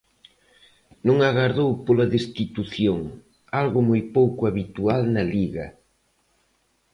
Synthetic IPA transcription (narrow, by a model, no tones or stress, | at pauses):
nõŋaɣaɾðowpolɐðest̪it̪uθjoŋ | alɣʊmojpowkʊaβit̪ualnɐliɣɐ